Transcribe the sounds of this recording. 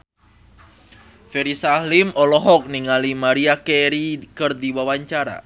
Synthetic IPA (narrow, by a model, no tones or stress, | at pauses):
fɛɾisalimɔlɔɦɔk̚niŋalimaɾiakɛɾikərdiwawaɲt͡ʃaɾa̰